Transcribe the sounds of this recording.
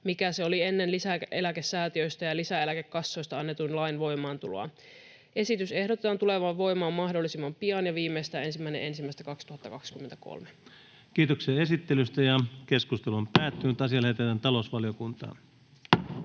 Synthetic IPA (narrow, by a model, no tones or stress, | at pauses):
mikæseo̞lie̞nːenlisækʔelækesːæːt̪iøjst̪æjɑlisæe̞lækekːɑsːo̞jst̪ɑɑnːe̞t̪unlɑinʋo̞imɑːnt̪ulo̰ɑ̰ | ʔe̞sit̪yse̞hdot̪et̪ɑnt̪ule̞ʋɑʋʋo̞imɑːmːɑhdo̞lːˑisimːɑmpiɑnjɑʋiːmːejst̪æːe̞nsimːæine̞̰ʔe̞nsimːæˑist̪ækɑkst̪uhɑt̪ːɑkɑkskyment̪æko̰lme | kiːt̪oksiɑesit̪ːelyst̪æjɑke̞skust̪elumpæːt̪ːynyt̪ɑsiɑlet̪et̪ːænt̪ɑlosʋɑliokunt̪ɑ̰ːn